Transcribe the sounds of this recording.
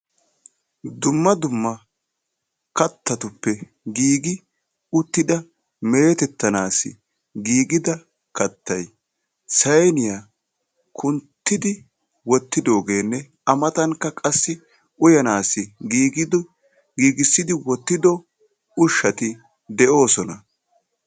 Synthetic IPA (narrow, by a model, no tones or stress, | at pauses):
d̪ʊmːɐd̪ʊmːɐ | kɐt̪ːɐt̪ʊpːɛ | ɡiːɡɪ | ʊt̪ːɪd̪ɐ | meːt̪ɛt̪ːɐnaːsɪ̰ | ɡiːɡɪd̪ɐ | kɐt̪ːɐj | sɐjnɪja | kʰʊnt̪ːɪd̪ɪ | wɔt̪ːɪd̪o̞ːɡe̞ːnːɛ | ɐmɐt̪ɐŋkːɐkʼɐsːɪ | ʊjɐnaːsɪiːɡɪd̪ | ɡiːɡɪsːɪd̪ɪwɔt̪ːɪd̪ɔ | ʊʃːɐt̪ɪ | d̪ɛʔo̞ːsɔnɐ